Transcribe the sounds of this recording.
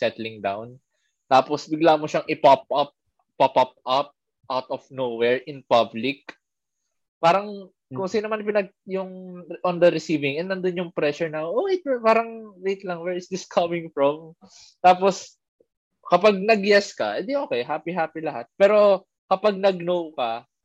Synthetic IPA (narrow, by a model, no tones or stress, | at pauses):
sɛt̪lɪŋd̪a̰wn | t̪aːposbɪɡlaːmoʃaŋʔɪpap̚ʔɐp̚ | papɐp̚ʔɐp̚ | ʔawt̪ɔfnowɛɹʔɪnpɐblɪk̚ | paːɾɐŋ | kʊŋsɪnɐmanp̬ɪnɐɡ̚jʊŋʔɔnd̪ɐɾɪsiːvɪŋʔɛnːɐnd̪onjʊŋpɾɛʃʊɹnɐʔowet̪̚paːɾɐŋwejt̪lɐŋwɛɹɪsd̪ɪskʰɐmɪ̃ŋfɹɔm | t̪aːpos | kɐpaɡ̚nɐɡjɛskɐ̰ʔɛnd̪ioːkɛjɦaːpiɦaːpilɐɦat̪̚pɛːɾo̞ | kɐpaɡ̚nɐɡ̚nowkɐ